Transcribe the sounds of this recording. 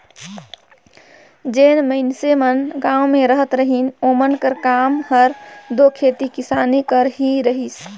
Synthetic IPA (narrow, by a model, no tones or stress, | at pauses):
d͡ʒenməɪnsemənɡãwmeɾəɦət̪ɾəɦinomənkəɾkamhəɾd̪okʰet̪ikisaːnikəɾɦiɾəɦis